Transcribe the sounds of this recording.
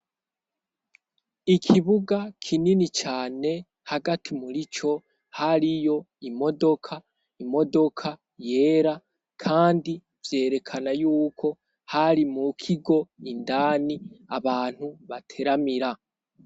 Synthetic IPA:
ikʰiβuɡakʰininit͡ʃaːne̞ | haɡatʰimuɾit͡ʃo̞ | haɾijo̞ | imo̞do̞kʰa | imo̞do̞kʰa | je̞ːɾa | kʰaːndi | vje̞ːɾe̞kʰanajuːkʰo̞ | haɾimukʰiɡo̞indaːniaβaːn̥huβatʰe̞ɾamiɾa

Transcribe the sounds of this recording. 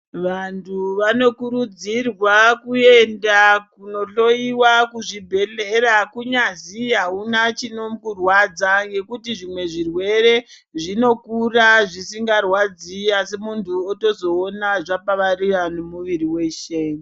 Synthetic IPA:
ʋantʰuʋano̞kuɾud͡zirwakuendakuno̞ɬo̞iwakuʐibʱe̞ɬeɾakuɲaziɦaunat͡ʃino̞mukurwad͡zaŋɡe̞kutiʐimwe̞ʐirwe̞ɾe̞ | ʐino̞kuraʐisiŋɡarwad͡ziasemuntʰuoto̞zo̞ːnaʐapaʋariʋanumuʋiɾiwe̞ʃe

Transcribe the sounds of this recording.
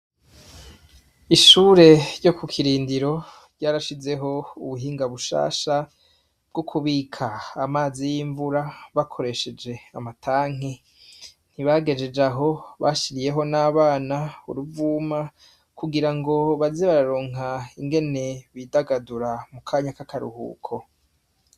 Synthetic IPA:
iʃuːɾe̞ɾɟo̞kukʰiɾiːndiɾo̞ | ɾɟaːɾaʃize̞ɦo̞uβuɦiːŋɡaβuʃa̰ːʃa | b̥̚ɡokʰuβiːkʰaːmaːzijiːɱvuɾaβakʰo̞ɾe̞ʃe̞d͡ʒe̞amatʰaːŋ̥i | n̥hiβaɡe̞d͡ʒe̞d͡ʒaɦo̞βaʃiɾije̞ɦo̞naːβaːnaṵɾuvuːma | kuɡiɾaŋɡo̞βazeβaɾaɾoːŋaiŋɡe̞ne̞βidaɡaduɾamukʰaːɲakakʰaɾṵhṵːkʰo̞

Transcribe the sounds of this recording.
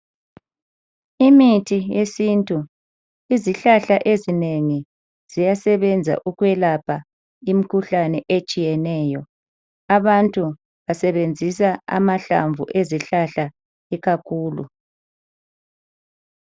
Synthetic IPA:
imitʰijesintʼu | iziɬaɬaʔezineŋi | z̥ijasɛβɛnd͡zʱa̰ʔuɣwɛlapʰa | imikʰuɬanɛʔet͡ʃʼijɛnɛːjɔ | aβantʼu | βasɛβend͡zʱisaa̰maɬa̰ɱvṵʔeziɬaɬa | iɣakʰuːlṵ

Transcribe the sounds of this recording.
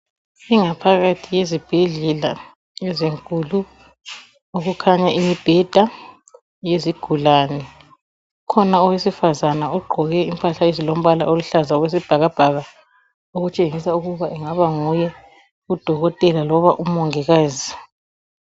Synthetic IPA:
iŋapʰaɣatʰijezib̥ʱɛɮɛla | jɛzeŋkʼulu | oɣukʰaɲaʔimib̥ʱɛd̥ʱa | jeziɡ̥ʱulanɛ | ukʰɔnaɔwesifazanauɡ͡ǃʱɔɣɛimpʰʼaɬaezilom̩βala̰ʔoluɬazaɔɣwes̬ib̥ʱaɣab̥ʱaɣa | oɣut͡ʃʼeŋisauɣuβaʔiŋaβaŋujɛ | ud̥ʱɔɣɔtʼɛlalɔβaʔum̩mɔŋɛɣaːzi

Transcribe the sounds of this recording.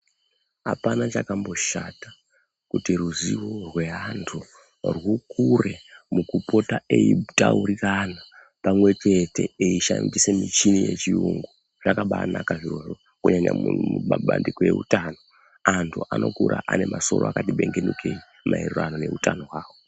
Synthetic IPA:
ɦapanat͡ʃakambo̞ʃatḁ | kutiruziworwe̞ɦantʰu | rwukʰure̞mukupo̞tae̞itauɾirana | pamwe̞t͡ʃe̞te̞eiʃa̰ndise̞mit͡ʃinije̞t͡ʃiuŋɡu | ʐ̥akaɓaːnakaʐiro̞ʐo | kuɲaɲa̰muuɓaɓa̰ndikoje̞ṵtaːno̞ | antʰuʔanʔo̞̰kuɾʔaʔane̞maso̞̰ɾoakatiɓe̞ŋɡe̞nukʰei | mʔaerurano̞ne̞utano̞ɦwaːwo

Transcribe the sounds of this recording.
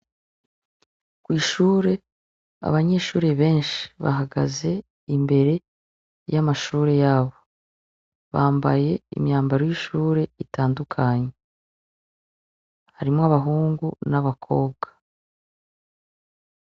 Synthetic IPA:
kwiːʃuːɾe̞ | a̰βaɲe̞ːʃuːɾe̞βe̞ːnʃi̥βa̰ɦaɡa̰ze̞ | imbe̞ɾe̞ | jamaʃuːɾe̞jaːβo̞ | βaːmba̰je̞ḭmɲaːmbaɾojiʃuːɾe̞itaːndukʰaɲe̞ | haɾimoaβaɦuːŋɡunaβakʰo̞̰ːbɡḁ

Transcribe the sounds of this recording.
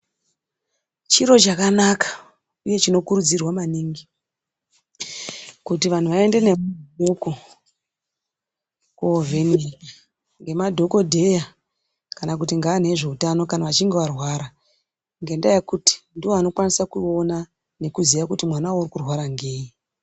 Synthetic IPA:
t͡ʃiɾo̞t͡ʃakanakḁ | uje̞t͡ʃino̞kuɾud͡zirwamaniŋɡi | kutiʋan̤uʋae̞nde̞ne̞adʱoko | kovʱeni | ŋɡe̞madʱo̞ko̞dʱe̞ja | kanak̬utiŋɡaːn̤e̞ʐe̞utano̞kanaʋat͡ʃiŋɡeʋarwaːɾa | ŋɡe̞ndajekuti̥ndiwo̞ano̞kwanisakuo̞na | ne̞kuziʋakutimwanawaurikurwaɾaŋɡe̞ːji

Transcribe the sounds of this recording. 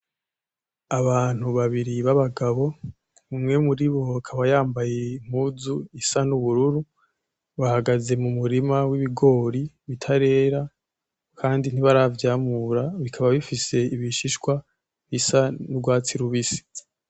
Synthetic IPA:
aβaːn̥huβaβiɾiβaβaɡaβo̞ | umŋe̞muɾiβo̞akʰaβajaːmbaje̞im̥huːzuisanuβuɾuɾu | βahaɡaze̞mumuɾimawiβiɡo̞ːɾi | βitʰaɾe̞ːɾa | kʰaːndin̥iβaɾavjaːmuɾaβikʰaβaβifise̞iβiʃiʃkwa | βisanubɡwaːt͡siɾuβisi̥

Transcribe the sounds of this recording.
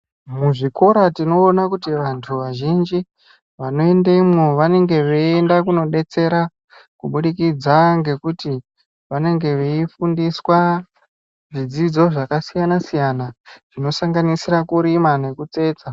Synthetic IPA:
muʐiko̞ɾatino̞ːnakutiʋantʰuʋaʒind͡ʒi | ʋano̞e̞ndeimwoʋane̞ŋɡe̞ʋeendakuno̞ɗe̞t͡se̞ɾa | kuɓuɗikid͡zaŋɡe̞kuti | ʋane̞ŋɡe̞ʋeifundiswa | ʐid͡zid͡zo̞ʐakasijanasijanaʐ̥ino̞saŋɡanisiɾakuɾimane̞kut͡se̞ːt͡sa

